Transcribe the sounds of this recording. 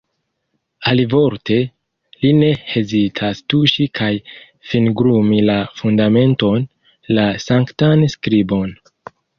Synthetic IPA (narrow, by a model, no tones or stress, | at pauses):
alivo̞ɾte̞ | line̞he̞zitʰastuʃikʰaj | finɡɾumilafundame̞nto̞n | lasaŋktanskɾibo̞n